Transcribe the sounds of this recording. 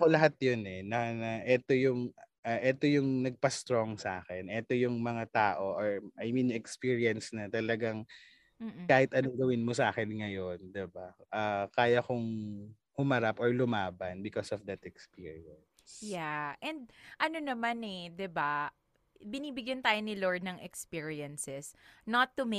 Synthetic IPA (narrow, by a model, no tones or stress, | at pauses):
ɐkolɐɦat̪̚jonɛnɐnɐʔɛt̪o̞jʊŋʔaʔɛt̪ojʊŋnɐɡ̚pɐst̪ɹoŋsɐʔa̰ːxɛnʔɛt̪o̞jʊŋmɐŋat̪aːʔo̞ʔoɹʔɐjminɲoʔɛkspiːɹiɐnsnɐt̪ɐlɐɡaŋ | kaːhɪt̪ʔɐnoɡɐwɪnmosɐʔa̰ːkɛnŋɐjo̞nd̪ɪbaʔakaːjɐkʊŋ | hʊmɐɾapoɹlʊmaːbɐnbɪkosɔfd̪ɐt̪ɛkspiːɹiɐnsjaʔɛnd̪̚ʔɐnonɐmanɛd̪ɪba | bɪniːbɪɡjɐnt̪aːjonɪloɹd̪̚nɐŋɛkspiɹiɐnsɛsnɐt̪ːum